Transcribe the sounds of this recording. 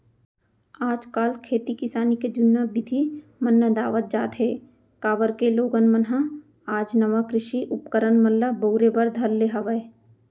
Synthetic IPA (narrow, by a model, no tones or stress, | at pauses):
aːd͡ʒkaːlkʰeːt̪ikɪsaːniked͡ʒʊnːabɪd̪ʱimənːəd̪aːʋət̪̚d͡ʒaːt̪ɦeː | kaːʋəɾkeloːɡənmənɦa | aːd͡ʒnɐʋakɾɪʃiʔʊpkəɾənməlːəboʊɾebɐɾd̪ʱɐɾleɦɐʋəe